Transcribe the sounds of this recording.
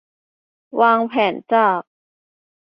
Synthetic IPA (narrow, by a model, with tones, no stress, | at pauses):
waː˧ŋpʰɛː˩˦nt͡ɕaː˥˩k̚